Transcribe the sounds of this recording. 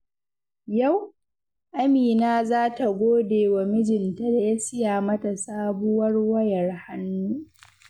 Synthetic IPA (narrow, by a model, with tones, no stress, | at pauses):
ja˦˨w | ʔa˦miː˨naː˦zaː˦ta˨ɡʷoː˦deː˨wa˨mɪ˦d͡ʒɪ˨nta˦da˨ja˦sɪ˦jaː˨mɐ˦ta˨saː˦bʊ˦wɐ˦rwɐ˦jɐ˨rha˦nːuː˦